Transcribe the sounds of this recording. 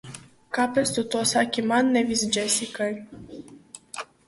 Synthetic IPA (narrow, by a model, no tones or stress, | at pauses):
kapest̪ut̪osakʲimannevisd͡ʒesikənʲ